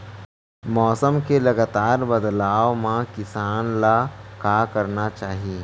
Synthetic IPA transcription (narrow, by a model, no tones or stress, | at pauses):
mɔːsəmkelɐɡaːt̪aːɾbɐd̪laːʋmãkɪsaːnlakaːkɐɾnat͡ʃaːɦie